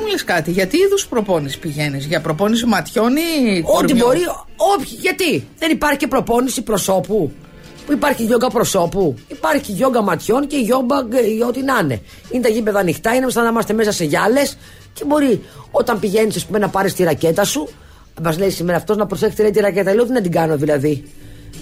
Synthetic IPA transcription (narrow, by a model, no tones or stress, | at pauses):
muleskɐt̪iʝɐt̪iiðuspɾopo̞nisi̥piʝe̞nizʝɐpɾopo̞nis̬imɐt̪ço̞niot̪iboɾi | o̞pçiʝɐt̪iðe̞nipɐɾçi̥cepɾo̞po̞nisipɾo̞so̞pu | puipɐɾçiʝo̞ŋɡɐpɾo̞so̞puipɐɾçiʝo̞ŋɡɐmɐt̪ço̞nce̞ʝo̞bɐŋɡo̞t̪inɐne̞̰ | inet̪ɐʝibeðɐːnixt̪ɐinemist̪ɐnɐmɐst̪eme̞sɐse̞ʝɐle̞s | cebo̞ɾio̞t̪ɐmpiʝe̞nisɐspume̞nɐpɐɾist̪iɾɐcet̪ɐsu | mɐzle̞isimeɾɐːft̪o̞znɐpɾosexst̪ilɐðit̪iɾɐce̞t̪ɐleot̪inɐnd̪iɡɐno̞ðilɐði